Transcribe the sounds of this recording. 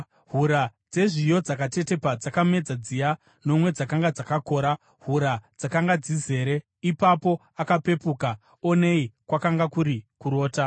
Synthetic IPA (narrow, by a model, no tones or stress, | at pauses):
ɦuɾad͡ze̞ʐijo̞d͡zakate̞te̞pad͡zakame̞d͡zad͡zija | no̞mwe̞d͡zakaŋɡad͡zakako̞ːɾa | ɦuɾad͡zakaŋɡad͡zize̞ːɾe̞ | ipapo̞ | akape̞puka | one̞ikwakaŋɡakuɾikuɾo̞ːta